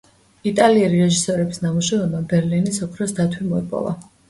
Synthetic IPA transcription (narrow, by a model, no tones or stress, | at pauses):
it̪ʼaliɛliɾɛʒisɔɾɛbisnamuʃɛvɛbabɛɾlinisɔkʰɾɔsd̪at̪ʰwimɔḭpʼɔ̰lˠa̰